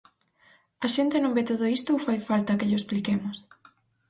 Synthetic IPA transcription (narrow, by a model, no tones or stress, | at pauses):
ɐʃent̪ɪnõŋbet̪oðoist̪owfajfalt̪ɐkeʎʊesplikemʊs